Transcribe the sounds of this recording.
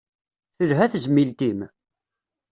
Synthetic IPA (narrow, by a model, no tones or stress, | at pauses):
θəlɦæθʒəmːilt̪im